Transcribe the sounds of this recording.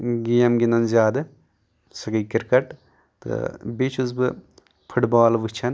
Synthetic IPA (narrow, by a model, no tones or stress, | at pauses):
ɡijɐmɡʲinɐnzʲaːd̪ɨ | sɐɡɐjkiɾkɐʈ | t̪ɨ̰bet͡ʃʰuzbɨ | pʰuʈbaːlʋɨt͡ʃʰɐn